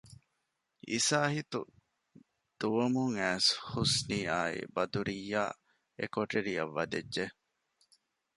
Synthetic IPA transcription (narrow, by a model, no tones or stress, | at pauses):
ḭsaːhit̪u | d̪̥uʋɐmuŋæːshusniːaːḭbɐd̪uɾijːa̰ː | ḛkoʈeɾijɐ̰ʋːɐd̪edʒe